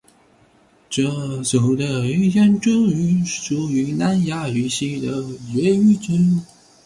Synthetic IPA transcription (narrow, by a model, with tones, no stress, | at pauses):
ʈ͡ʂɤ˥˩t͡ɕo˨˩ʊd̪ə˧y˥jɛ˥nʈ͡ʂʊ˥y˧˥ʂu˨˩y˧˥na˧˥nja˥y˧˥ɕi˥d̪ə˨˩ɥɛ˧˥y˥t͡ɕi˥n